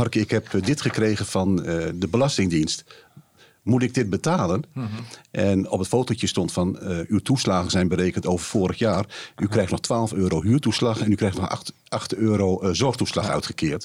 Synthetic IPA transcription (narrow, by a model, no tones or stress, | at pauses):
harkəɪkhɛpdɪtχəkreːɣəfɑndəbəlɑstɪŋdinst | mutɪɡ̚dɪt̚bətaːlənʔɛnɔpətfoːtəlˠtjəstɔntfɑnywtuslaːɣəzɛjnbəɾejkəntoːwvərfoːɾəxjaːrʔykrɛjxtnɔxtʰʋaːlˠəføːɾoɦyːtuslɑxɛnykrɛjxtnɔx | ɑxtøːɾoːzɔrxtuslɑxœ̰ɥtχəkʰɪːəɹt